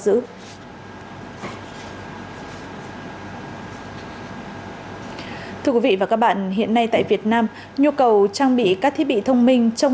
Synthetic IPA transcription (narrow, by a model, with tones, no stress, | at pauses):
zɨ̰˧˥ | t̪ʰɨ˧əkwi˨˦vḭ˧˨˩aː˨˩kaː˦˥k̚ɓa̰ː˧˨nɦḭ˧˨ənːa˧jt̪a̰ː˧˨jvi˨˩ət̚naː˧m | ɲu˧kə˨˩wt͡ɕaː˧ŋɓḭ˧˨kaː˦˥k̚t̪ʰi˦˥ɓḭ˧˨t̪ʰə˧wŋ͡mmï˧ŋ̟t͡ɕɔ˧w